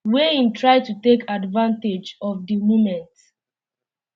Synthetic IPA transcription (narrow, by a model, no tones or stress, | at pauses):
weĩntɹaɪtutekʰadvãnted͡ʒɔvdimomɛ̃nt